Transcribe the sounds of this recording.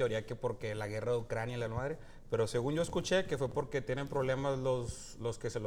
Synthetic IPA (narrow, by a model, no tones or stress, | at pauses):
eo̞ɾiakepo̞ɾke̞laɣe̞raðeukɾanjailaelmaðɾe | pe̞ɾo̞se̞ɣ̞unʝo̞eskut͡ʃe̞ke̞fwe̞po̞ɾket̪je̞ne̞mpɾo̞βle̞mazlo̞s | lo̞skeselo